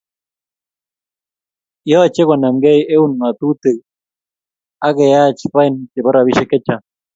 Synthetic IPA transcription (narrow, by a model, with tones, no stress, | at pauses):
jɔ˦˨t͡ʃe˦kwa˨na˨mɡɛ˦je˦u˦nma˨t̪u˦t̪e˨j | a˦ɣe˨ja˦t͡ʃpa˦i˦nt͡ʃe˨bɔ˦ɾa˨βi˦ʃe˦ke˦t͡ʃa˨